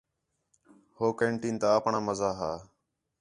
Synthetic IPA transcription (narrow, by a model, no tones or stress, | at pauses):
hoːkeːɳʈĩːnt̪aːəːpɳãːməzaːɦaː